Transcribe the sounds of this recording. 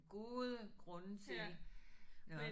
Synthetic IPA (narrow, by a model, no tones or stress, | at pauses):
ɡ̥o̝ːðˠəɡ̥ʁɔ̽nət͡sʰe̝l | me